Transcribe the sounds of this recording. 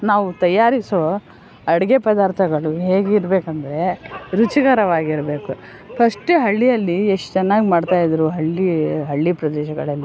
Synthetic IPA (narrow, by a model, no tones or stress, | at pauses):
naːʋut̪ɐjːaːɾiso | ɐɽiɡepɐd̪aːɾt̪ʰɐɡɐɭuɦe̞ːɡiɾbe̞ːkɐnd̪ɐɾe̞ɾut͡ʃiɡɐɾɐʋaːɡiɾbeːku | pʰɐʂʈuɦɐɭːijɐlːieʂʈu̥t͡ʃɛnːaːɡimaːɖt̪aːjid̪ɐɾuɦɐɭːiɦɐɭːipɾɐd̪ɛːʃɐɡɐ̰ɭɐlːi